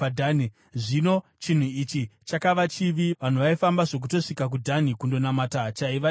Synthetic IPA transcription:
dʱani | ʐino̞t͡ʃin̤uit͡ʃit͡ʃakaʋat͡ʃiʋiʋan̤uʋaifambaʐo̞k̬uto̞ʂikak̬udʱanikundo̞namatat͡ʃaiʋa

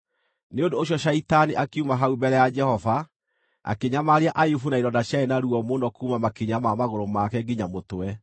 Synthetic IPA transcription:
neondoːɕjɔʃaitaniʔakeumaɦaubɛɾɛjad͡ʒɛhɔva | a̰keɲamaɾeaʔajufunaiɾɔdaɕjaenaɾuɔmonɔkuːmamakeɲamamaɣoɾomakɛɡiɲamotoɛ

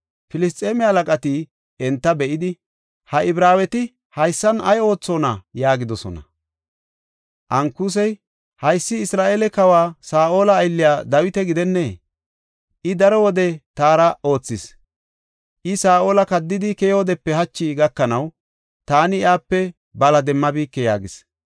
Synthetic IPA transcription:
fɪlɪst̪ʼeːmɪɐlɐkʼɐt̪iː | ɛnt̪ːɐbɛʔɪd̪ɪ | hɐɪbɾaːwɛt̪ɪ | hɐjsːɐnɐjo̞ːt͡sːoːnɐ̰jaːɡɪd̪ɔsɔ̰nɐ̰ | ʔɐŋkːus̬ɛj | hɐjsːɪːsɾaːʔeːlɛkɐwaːsaːʔo̞ːlɐːjlːɪjaːd̪ɐwɪt̪ɛɡɪd̪ɛnːeː | ʔɪd̪ɐɾɔwɔd̪ɛt̪aːɾɐo̞ːt͡sːɪs | ʔɪsaːʔo̞ːlɐkɐd̪ːɪd̪ɪkɛjoːd̪ɛpːɛɦɐt͡ʃːiːɡɐkːɐnɐw | t̪aːnɪɪjaːpːɛ | bɐlɐd̪ɛmːɐbiːkːɛjaːɡɪs

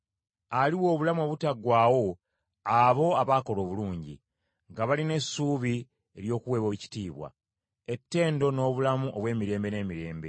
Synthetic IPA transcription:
aliwo̞ːβulamuo̞βutaɡwaːwo̞ | aβo̞aβaːko̞lo̞ːβuluːɲɟḭ | ŋɡaβaline̞sːuːβi | e̞ɾjo̞ːkuwe̞ːβoici̥tiːβwa̰ | e̞tːe̞ːndo̞no̞ːβulamuʔoβwe̞ːmiɾe̞ːmbe̞ne̞ːmiɾe̞ːmbe̞

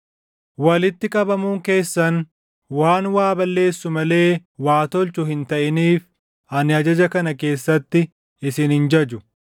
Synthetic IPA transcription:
wɐlɪt̪ːɪkʼɐbɐmuːŋke̞ːsːɐn | waːnwaːbɐlːe̞ːsːʊmɐle̞ːwaːt̪ɔlt͡ʃʊhɪnt̪ɐʔɪniːf | ʔɐnɪɐd͡ʒɐd͡ʒɐkɐnɐke̞ːsːɐt̪ːɪ | ɪsɪnhɪnd͡ʒɐd͡ʒʊ

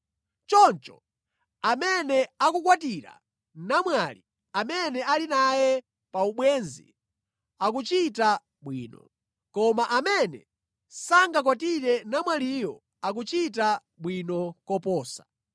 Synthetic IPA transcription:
t͡ʃɔnt͡ʃɔ̰ | amɛnɛakukwatiɾa̰ | namwalḭ | amɛnɛalinajɛ | pauɓwɛnzḭ | ak̬ut͡ʃita | ɓwḭːnɔ̰ | kɔmaʔamɛnɛ̰ | saŋɡak̬watiɾɛnamwalijɔ | ak̬ut͡ʃit̬a | ɓwinɔkɔpɔːsḁ

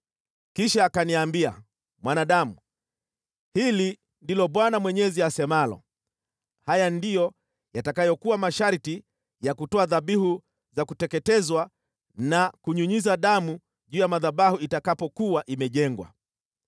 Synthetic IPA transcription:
kiʃaːkaniambia̰ | mwanaɗamu | hili | ndilɔɓwanamwɛɲɛziasɛmalɔ̰ | hajandijɔ | jatakajɔkuwamaʃaɾti | jakutɔaðaɓihu | zakutɛkɛtɛzwa | nakuɲuɲizaɗamu | ʄuːjamaðaɓahuitakapɔkuwaʔimɛʄɛŋɡwa̰

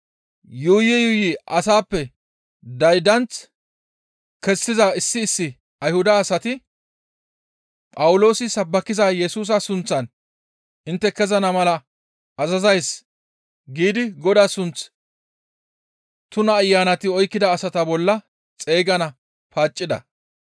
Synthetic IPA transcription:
jʊjɛjʊjɪʔɐsaːpːɛ | d̪ɐjd̪ɐnt͡s | kɛsːɪzɐɪsːɪːsːɪ | ɐjhʊd̪ɐːsɐt̪ɪ | pʼɐwʊlo̞ːsɪsɐbːɐkːɪzaːjɛsuːs̬ɐsʊnt͡sːɐn | ʔɪnt̪ːɛkːɛzɐnɐmɐlɐː | zɐzɐjs | ɡiːd̪ɪɡɔd̪aːsʊnt͡s | t̪ʊnɐːjːaːnɐt̪ɪɔjkːɪd̪ɐːsɐt̪ɐbɔlːɐ | t͡sʼe̞ːɡɐnɐ | paːt͡ʃʼːɪd̪ɐ̰

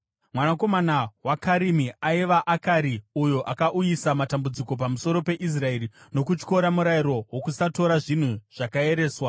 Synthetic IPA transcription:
mwanako̞manawakaɾimiaiʋaʔakaɾiujoʔakaʔujisamatambud͡ziko̞p̬amuso̞ɾo̞pe̞ʔis̬rae̞rino̞kut͡ʃko̞ɾamuɾajiɾo̞wo̞kusato̞ɾaʐin̤uʐ̥akae̞ɾe̞ːswa

